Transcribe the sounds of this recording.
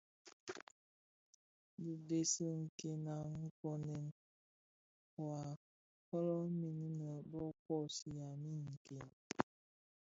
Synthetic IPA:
bi˨de˨si˦ŋ̩˨ke˨na˨ŋ̩˦kɔ˦nɛ˨n | wa˨ | kɔ˦lɔ˦mi˨ni˦nə˨bɔ˦kɔ˦˨si˨ja˨mi˦ŋ̩˨ke˨n

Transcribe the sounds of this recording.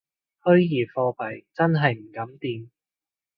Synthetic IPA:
hɵ˥ɥjiː˨˩fɔː˧pɐ˨˩jt͡sɐ˥nɦɐ˨jm̩˨˩kɐ˨˥mt̪iː˨˧m

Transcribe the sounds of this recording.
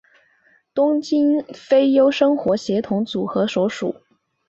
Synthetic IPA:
t̪ʊ˥ŋt͡ɕi˥nfe˥ɪjo˥ʊʂɤ˥ŋxwɔ˧˥ɕjɛ˧˥t̪ʰʊ˧˥ŋt͡su˨˩xɤ˧˥swɔ˧˥ʊʂṵ˨˩˦

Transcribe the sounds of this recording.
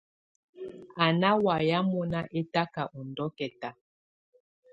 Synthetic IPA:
a˨na˦wa˨ja˦mɔ˦na˦ʔe˦ta˦ka˨ʔɔ˨ndɔ˦kɛ˨ta˨

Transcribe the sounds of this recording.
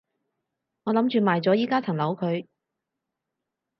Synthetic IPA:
ŋɔː˨˧lɐ˨˥mt͡ʃyː˨maː˨jt͡sɔː˨˥jiː˥kaː˥t͡sʰɐ˨˩ŋlɐ˨˥wkʰɵ˨˧ɥ

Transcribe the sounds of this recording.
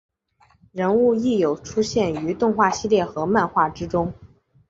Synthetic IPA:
ɻə˧˥nu˥˧i˥˩jo˨˩ʊʈ͡ʂʰu˥ɕjɛ˥˩ny˧˥t̪ʊ˥˧ŋxwa˥˩ɕi˥˧ljɛ˥˩xɤ˧˥ma˥˧nxwa˥˩ʈ͡ʂɻ̩˥ʈ͡ʂʊ˥ŋ

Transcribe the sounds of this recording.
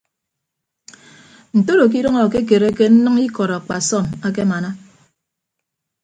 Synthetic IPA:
n̩˨to˦ɾo˨k̬i˦ɾɔ˦ŋɔ˨ke˦k̬e˨ɾe˦ke˦n̩˦nʌ˦ŋi˦kɔ˨ɾɔ˨a˨k͡pa˨sɔ˦˨ma˦k̬e˦ma˨na˦

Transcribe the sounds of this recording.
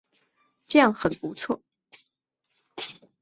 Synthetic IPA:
ʈ͡ʂɤ˥˧jɑ˥˩ŋxə˨˩npu˧˥t͡sʰwɔ̰˥˩

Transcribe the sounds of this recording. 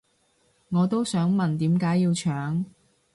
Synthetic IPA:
ŋɔː˨˧t̪o˥wsœː˨˥ŋmɐ˨nt̪iː˨˥mkaː˨˥jiː˧wt͡ʃʰœː˨˥ŋ

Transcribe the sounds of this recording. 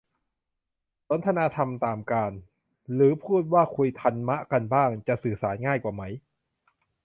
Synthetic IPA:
t̪o˨˦nt̪ʰa˧naː˧t̪ʰa˧mt̪aː˨˩mkaː˧n | ɾɯː˩˦pʰuː˥˩t̪̚waː˥˩kʰu˧jt̪ʰa˧nma˦˥ʔka˧nbaː˥˩ŋt͡ɕa˨˩ʔsɯː˨˩saː˩˦nŋaː˥˩jkwaː˨˩ma˦˥j

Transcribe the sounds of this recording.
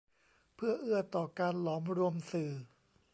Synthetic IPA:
pʰɯ˥˩ɐʔɯ˥˩ɐt̪ɔː˨˩kaː˧nlɔː˩˦mɾu˧əmsɯː˨˩

